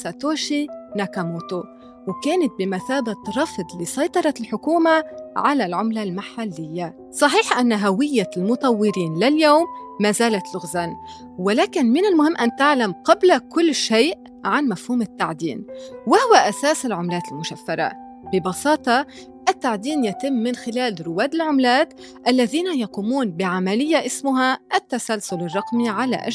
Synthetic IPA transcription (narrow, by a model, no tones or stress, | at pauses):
sat̪oːʃinakamoːt̪o | wkaːnat̪̚bɪmaθaːbat̪ɾˤɑfd̪ˤlisˤɑjt̪ˤɑɾˤɑt̪ɪlħʊkuːmaʕalalʕʊmlalmaħalːɪjːa | sˤɑħiːħʔanːaɦawɪjːalmʊt̪ˤɑwːɪɾiːnlaljoːmːaːzaːlat̪lʊɣzan | wɪlaːkɪnmɪnɪlmʊhɪmːʔant̪aʕlamqɑblakʊlːʃeːʔ | ʕanmafhuːmɪt̪ːaʕd̪ḭːnwɪhʊwaʔasaːsɪlʕʊmlaːt̪ɪlmʊʃafːɑɾˤa̰ | bɪbɑsɑːt̪ˤɑ | ʔɪt̪ːaʕd̪iːnjat̪ɪmːɪnxɪlaːlɾʊwaːd̪ɪlʕʊmlaːt̪ | ʔalːaðiːnajɑquːmuːnbɪʕamalɪjːaʔɪsmʊɦaʔat̪ːasalsʊlɪrˤːɑqmiʕala̰ʔa̰